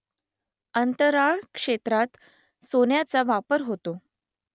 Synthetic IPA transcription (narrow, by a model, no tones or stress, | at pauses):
ənt̪əɾaɭkʂet̪ɾat̪ | sonjat͡saʋapəɾɦot̪o